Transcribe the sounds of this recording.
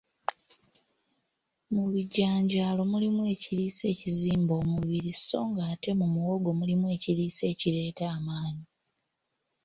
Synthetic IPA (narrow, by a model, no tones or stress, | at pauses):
muβiɟːaːɲɟaːlo̞mulimwe̞ːciɾiːse̞ːciziːmbo̞ːmuβiɾisso̞̰ːŋɡaːte̞mumuwo̞ɡo̞mulimwe̞ːciɾiːse̞ːciɾe̞ːtaːmaːɲi